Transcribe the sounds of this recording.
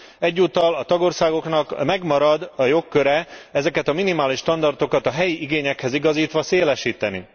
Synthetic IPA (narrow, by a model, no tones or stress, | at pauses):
ɛɟːuːt̪ɒlɒt̪ɒɡo̞rsaːɡo̞knɒkmɛɡmɒɾɒd̪ɒjo̞kːø̞ɾɛɛzɛkɛt̪ɒminimaːliʃːt̪ɒnd̪ɒrt̪o̞kɒt̪ɒɦɛjiʔiɡeːɲɛkhɛziɡɒziːt̪ʋɒseːlɛʃiːt̪ɛnḭ